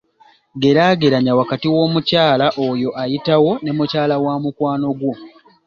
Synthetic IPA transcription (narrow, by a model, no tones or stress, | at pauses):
ɡe̞ɾaɡe̞ɾaɲawakatiwo̞ːmucaːlaʔojo̞ʔajitawo̞ne̞mucaːlawaːmukwaːno̞ɡwo̞